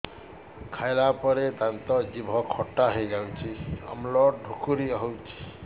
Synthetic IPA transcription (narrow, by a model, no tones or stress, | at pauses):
kʰajlapɔɾed̪ant̪ɔd͡ʒibʱɔkʰɔʈːaɦejɡawt͡ʃʰiɔ̰mlɔɖʱukuɾiɔɦɔwt͡ʃʰi̥